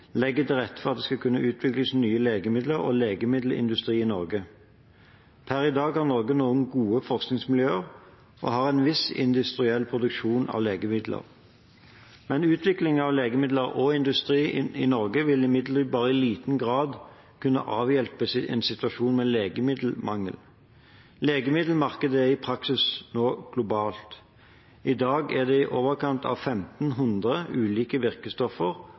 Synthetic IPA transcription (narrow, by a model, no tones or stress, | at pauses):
lɛɡːət̪ʰɪlʁɛt̪ːfɔʁɑd̪ɛskɑkʰʉnːəʔʉːt̪ʰʋɪkləsnyːəleːɡəmɪd̪ləʁɔ̰leːɡəmɪd̪l̩ʔɪ̰nd̪ʉst̪ʁiːɪnɔʁɡə | pʰæʁɪd̪ɑːɡhɑʁnɔʁɡənoːənɡuːəfɔʁsknɪŋsmɪljøːəʁ | ʔɔ̰ɦɑːʁɛnʋɪsɪ̰nd̪ʉst̪ʁɪɛlːpʰʁʊd̪ʉkʃuːnɑ̰ʋleːɡəmɪd̪lə̰ʁ | mɛnʉːt̪ʋɪklɪŋɑʋleːɡəmɪd̪ləʁɔɪnd̪ʉst̪ʁiːɪnɔʁɡəʋɪlɪmɪd̪ləʁʋsbɑːʁəɪliːt̪n̩ɡʁɑːd̪ | kʰʉnːə̰ʔɑːʋjɛlpəsɪʔɛ̰nsɪt̪ʉɑʃuːnmɛleːɡəmɪd̪l̩mɑŋːə̰l | leːɡəmɪd̪l̩mɑʁkəd̪əæʁɪpʰʁɑksɪsnoːɡ̥lʊbɑːlt̪ | ʔɪd̪ɑːɡæʁd̪ɛɪʔoːʋəʁkʰɑnt̪ʰɑ̰ʋfɛmt̪n̩ɦʉnd̪ʁəʉːliːkəʋɪʁkəst̪ɔfəʁ